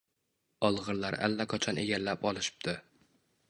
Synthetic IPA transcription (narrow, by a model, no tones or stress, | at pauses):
ɒlˠʁɨɾlaɾa̰lːaqʰat͡ʃʰɒneɡʲalːapɒlˠɪʃɪ̥p̚t̪ɪ